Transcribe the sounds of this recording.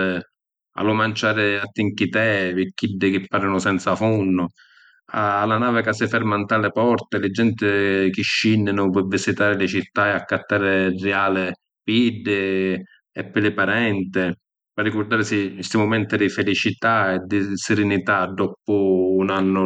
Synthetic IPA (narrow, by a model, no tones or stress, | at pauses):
a̰lʊmant͡ʃaːɾɪat̪ːiŋkit̪ɛpɪkːidːɪkɪpːaɾɪnʊsɛnt̪safunːʊ | aːlːanaːvɪkasɪfɛɾmant̪alɪpɔrt̪ɛlɪd͡ʒɛnt̪ɪkɪʃːinːɪnʊpɛvːisit̪aːɾɪlɪt͡ʃit̪ːaɛakːat̪ːaːɾɪrːɛaːlɪ | pidːɪ | ɛpːɪlɪpaɾɛnt̪ɪ | parːikʊɾd̪aːɾɪsɪst̪ɪmʊmɛnt̪ɪd̪ɪfelit͡ʃit̪aɛd̪ɪsɪɾɪnit̪ad̪ːɔpʊːnanːʊ